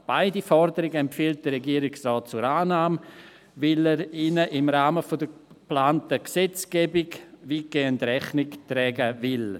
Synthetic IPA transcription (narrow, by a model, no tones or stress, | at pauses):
b̥aɪdifɔɾdəɾɪɡəɛmpfiːlt̚d̥əɾɛɡiːəɾɪksrɔːt̚t͡suɾaːnaːm | vɪlɛɾiːnəʔɪmɾaːməfodə | plaːntəksɛt͡sɡ̥ɛːbɪɡviɡ̥eːəndɾɛχnɪktɾɛːɡəvɪl